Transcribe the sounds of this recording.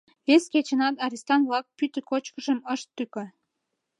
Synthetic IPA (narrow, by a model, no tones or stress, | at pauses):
βesket͡ɕə̆nɑt̪ɑɾʲist̪ɑnβlɑk̚pyt̪ə̆kot͡ɕkəʒəməʃt̪ːykø